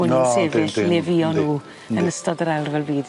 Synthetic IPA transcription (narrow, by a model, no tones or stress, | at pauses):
ʊnəsevɪlɛviɔnuː | ənəstɔdəɾɛlˠrvɛlˠbiːd